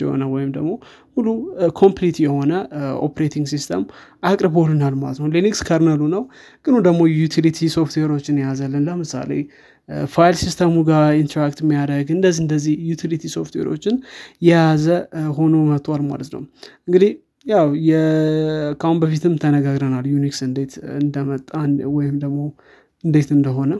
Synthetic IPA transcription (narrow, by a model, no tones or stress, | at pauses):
ɛho̞̰nəwɔjɪmd̪əɡmo̞ | hulːukʰo̞mplit̪jɛho̞nəo̰pʰɾet̪ʰiŋɡsist̪ʰə̰m | akʼɾɨbolɨnalma̰lət̪nəwlinikskʰaɾnalunəw | ɡʼɨnud̪əɡmo̞jut̪ʰilit̪ʰiso̞ft̪ʰweɾo̞t͡ʃːɪnjazalːənləmɨsa̰le̞̰ | fajlsist̪ʰəmuɡaint̪ʰɾakt̪mːijaɾəɡɨnd̪əzːiɨnd̪əzːihjut̪ʰilit̪ʰiso̞ft̪ʰwḛɾo̞̰t͡ʃːɪnjɛjazəho̞nomət̪ʰalma̰lət̪nə̰wʔɨŋɡɨd̪ih | jawjɛ | kʰahunbəfit̪ʰɨmt̪ʰənəɡaɡɾənaljuniksɨnd̪et̪ɨnd̪əmət̪ʼːanwɔjɪmd̪əɡmo̞ | ɨnd̪et̪ɨnd̪əɦo̞nə